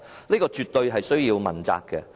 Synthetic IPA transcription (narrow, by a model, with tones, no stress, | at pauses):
niː˥kɔː˧t͡ʃyː˨t̪ːɵ˧ɥɦɐ˨jsɵ˥ɥjiː˧wmɐ˨˩nt͡sa̰ː˧kːɛ˧